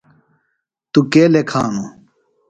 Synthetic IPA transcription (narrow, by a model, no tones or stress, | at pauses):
t̪ukeːlekʰa̰ːnu